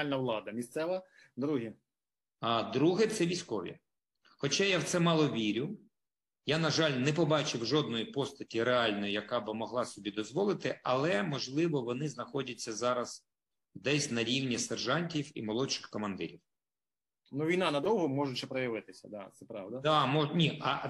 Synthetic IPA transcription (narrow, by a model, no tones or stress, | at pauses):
lʲnɐʋlˠɑd̪ɐmʲist̪sɛʋɐ | d̪ɾuɦi | d̪ɾuɦɪt̪sɛʋʲisʲkɔʋʲḭ | xɔt͡ʃɑjawt̪sɛmɑlˠɔʋʲiɾʲʊ | janɐʒɑlʲnɛpɔbɑt͡ʃɪwʒɔd̪nɔjipɔst̪ɐtʲiɾeɑlʲnɔjijɐkɑbɪmɔɦlˠɑsɔbʲid̪ɔzʋɔlˠɪt̪ɪʔɐlˠɛmɔʒlˠɪʋɔʋɔnɪznɐxɔdʲɐt͡sʲːɐzɑɾɐz̥ | d̪ɛsʲnɐɾʲiwnʲisɛrʒɑnʲtʲiwḭmɔlˠɔʃɪ̥xkɔmɐnd̪ɪ̰ɾʲiw | nuʋʲijnɑnɐd̪ɔwɦɔmɔʒʊt͡ʃːɛpɾɔjɐʋɪt̪ɪsʲɐ̰d̪at̪sɛpɾɑʋd̪ɐd̪ɑmɔnʲiɐ